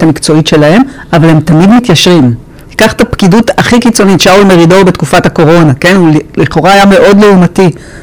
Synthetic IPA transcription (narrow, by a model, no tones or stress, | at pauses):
tamikt͡so̞itʃe̞lahe̞m | avale̞mt̪amidmit̪jaʃʁim | hikaχt̪apkidutaχikit͡so̞nitʃaulme̞ʁido̞be̞tkufathako̞ʁo̞nake̞nulliχo̞ʁaajame̞ʔo̞dleumati